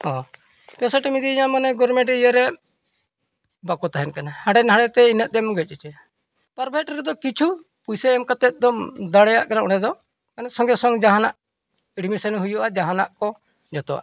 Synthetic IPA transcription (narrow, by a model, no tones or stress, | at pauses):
hɔ̃ | pɛsaʈɛmid̪iiɲamanɛɡɔɾmɛ̃ɖɛijəɾɛ | bakɔt̪aɦɛnkanahaɽɛnɦaɽɛt̪ɛinət̪̚ˀd̪ɛmɡɛc̚ˀɛt͡ʃɛ | paɾbʱɛʈɾɛd̪ɔkit͡ʃʰu | pujsɛːmkat̪ɛt̪̚d̪ɔmd̪aɽɛjaʔkaɾaʔɔɽɛd̪ɔ | kanɛsɔŋɡɛsɔŋd͡ʒaɦanaʔ | iɖmisanɦujuʔad͡ʒaɦanaʔkɔ | d͡ʒɔt̪ɔwa̰ʔ